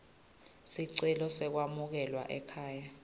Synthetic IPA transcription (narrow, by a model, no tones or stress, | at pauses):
siǀɛlɔsɛk̬wamuk̬ɛlwa̰ʔɛkʰaːja